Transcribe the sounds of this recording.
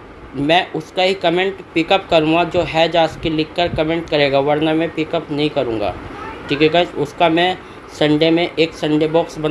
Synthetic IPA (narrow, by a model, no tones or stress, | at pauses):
mɛ̃ːʔʊskaɦikɐmẽːɳʈpɪkəp̚kɐɾũːŋɡad͡ʒoːɦɛːd͡ʒaːskilɪkːəɾkɐmẽːɳʈ̚kɐɾeːɡaʋɐɾnəmɛ̃pɪkəpnɐɦĩkɐɾũːŋɡa̰ːʈʰikekat͡ʃʊskamɛ̃ | sɐ̃ɳɖemẽʔeːksɐ̃ɳɖebɔːksbɐn